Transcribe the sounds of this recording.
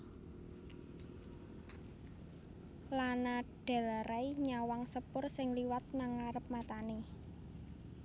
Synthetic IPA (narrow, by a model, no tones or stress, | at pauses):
lanaɖ̥ɛ̤laɾaiɲawaŋsəpʊrsɪŋliwat̪̚naŋaɾəp̚mat̪ane